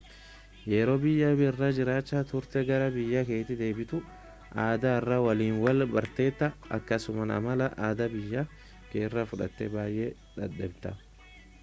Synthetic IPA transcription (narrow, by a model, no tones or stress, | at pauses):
jeɾoːbɪjːɐbɪrːɐd͡ʒɪɾaːt͡ʃːat̪ʊɾt̪ɛɡɐɾɐbɪjːɐke̞ːt̪ːɪd̪e̞ːbɪt̪ʊ | ʔaːd̪ɐɪrːɐwɐliːnwɐlbɐɾt̪e̞ːt̪ːɐɐ̰kːɐsʊmɐnɐ̰mɐlɐʔaːd̪ɐbɪjːɐ | keːrːɐfʊᶑɐ̰t̪ːɛbaːjʔe | ᶑɐᶑɛbt̪ɐ